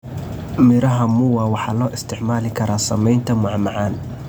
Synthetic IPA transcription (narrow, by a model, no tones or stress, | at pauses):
mɪɾɐɦɐmʊwɑwɑħɑːlɔːʔɪst̪ʰɪʕmaːlɪkʰɐɾaːsɐmɛjnt̪ʰɐmʊʕmɑʕɑːn